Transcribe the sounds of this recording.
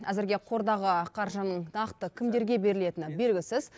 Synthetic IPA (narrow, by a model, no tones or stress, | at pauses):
æzɪɾɡʲe̞qʰo̞ɾd̪ɑʁəqʰɑɾʒənəɴnɑqt̪əkʲʰɪmd̪e̞ɾɡʲe̞be̞ɾɪle̞t̪ɪnɪbe̞lɡʲɪsɪz